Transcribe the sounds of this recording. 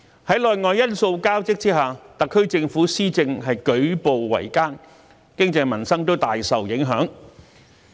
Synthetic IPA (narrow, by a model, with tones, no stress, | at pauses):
hɐ˨˥jlɔː˨jŋɔː˨˧jːɐ˥nso˧wkaː˥wt͡sɪ˥k̚t͡siː˥ɦaː˨t̪ɐ˨kʰːɵ˥ɥt͡sɪ˧ŋfuː˨˥siː˥t͡sɪ˧ŋɦɐ˨jkɵ˨˥ɥpo˨wːɐ̰˨˩jkaː˥n | kɪ˥ŋt͡sɐ˧jmɐ˨˩nsɐ˥ŋt̪o˥wt̪aː˨jsɐ˨wjɪ˨˥ŋɦœː˨˥ŋ